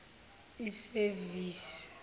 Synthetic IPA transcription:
iseviːsi̥

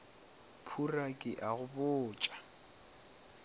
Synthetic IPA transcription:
pʰurakʼɪʔaɣʊbʊːt͡ʃʼḁ

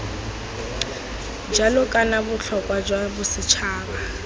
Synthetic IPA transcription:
d͡ʒalɔkʼanabʊɬʰɔkʼwad͡ʒwabʊsɪt͡ʃʰaːba

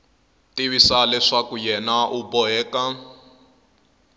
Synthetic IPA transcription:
tiβisalɛʂakujɛnaʔubɔɛːka

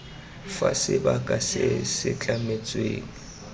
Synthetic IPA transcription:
fa̰sɪbakʼasɪsɪt͡ɬʼamet͡sʼweːŋ̩

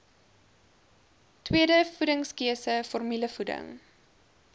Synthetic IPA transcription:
twiədəfudəŋskiəsəfɔrmiləfudə̰ŋ

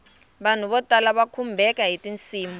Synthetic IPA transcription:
ɓan̤uβɔtalaɓakʰumbʱɛkaɦitint͡siːmbɔ

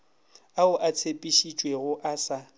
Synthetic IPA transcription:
aʊʔat͡sʰepʼiʃit͡ʃʼweɣʊʔasa

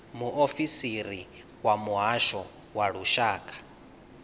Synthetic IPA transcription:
muʔofisiɾi | wamuɦaʃɔ | waɺuʃaːkʼḁ

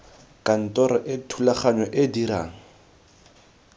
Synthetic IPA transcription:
kʼan̩tɔɾɔʔɪtʰulaχaɲɔʔɪdiɾa̰ːŋ̩

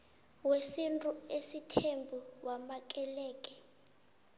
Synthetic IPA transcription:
wesintʼuesitʰembʱuwamak̬ʼɛlɛːk̬ʼɛ

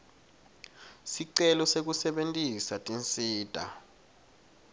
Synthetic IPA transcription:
siǀɛlɔsek̬usɛɓentʼisatʼint͡sʼiːd̥ʱa̰

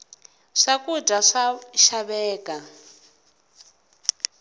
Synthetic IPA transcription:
ʂakʼudʱaʂaʃaβɛːkʼa

